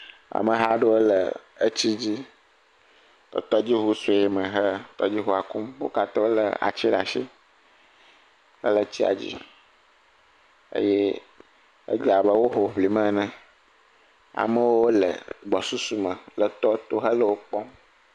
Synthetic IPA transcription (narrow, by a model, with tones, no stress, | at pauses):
a̰˨mə̃˨ɦa˦ɖə˦wo˦lə̰˨ə˦t͡ɕi˦d͡ʑi˦ | t̪ɔ̰˨t̪ɔ˦d͡ʑi˦ɦu˦su˨˦e˦mə̃˨ɦə˦t̪ɔ˦d͡ʑi˦ɦu˦a˨ku˦mwo̰˦ka˨t̪ɔ˦lə̰˨a̰˨t͡ɕi˦ɖa̰˨ʃi˦ | ə̰˦lə˨t͡ɕi˦a̰˨d͡ʑḭ˦ | ə̰˦je˦ | ə̰˦d͡ʒi˦a˨bə˦wo˦ɦo˨ɸli˨mə̃˦nə̃˦ | a̰˨mə̃˦wo˦wo˦lə̰˨ɡ͡bɔ˨su˦su˦mə̃˨lə˨t̪ɔ˦t̪o˦ɦə˦lə˦wo˦k͡pɔ˦m